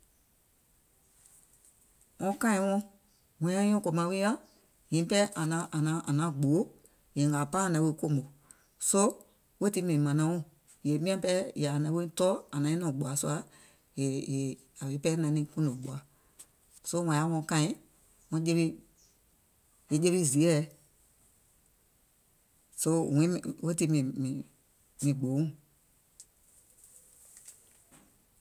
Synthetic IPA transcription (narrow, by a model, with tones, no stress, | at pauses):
ŋɔ̃˧˦kã˦ĩ˧wɔ̃˦ | wɛ̃˨˦ã˦ɔ̃˦ko˨mã˧˦we˦a˦ | ɲĩ˨˦pɛ˦ʔa˨nã˨˧˦ʔa˨nã˨˦ʔa˨nã˨˦ɡ͡boː˨˦ | jɛ̃˨ŋa˨pa˦˨nã˨˦we˧˦ko˦˨mbo˨ | so˦ | we˦ti˧˦mĩ˨ĩ˨mã˨nã˨˦wɔ̃˦˨ | je˨mĩ˦ã˧˦pɛ˦ja˨nã˧˦we˦tɔː˦a˨nã˨˦ĩ˦ɔ̃˨ɡ͡bu˨a˨˦su˦a˧˦ | je˨je˨ | a˨le˨˦pɛ˦nã˨˦nĩ˧˦kũ˦nõ˨ɡ͡bu˨a˨˦ | so˦wã˨a˦wɔ̃˧˦kã˦ĩ˦ | ŋɔ̃˧˦d͡ʒe˧βi˧˦ | je˨˦d͡ʒe˦βi˦zi˨ɛ˦˨ | so˦˨wĩ˨˦˨wo˦ti˧˦mĩ˨mĩ˨ | mĩ˨ɡ͡boː˨˦ŋũ˦˨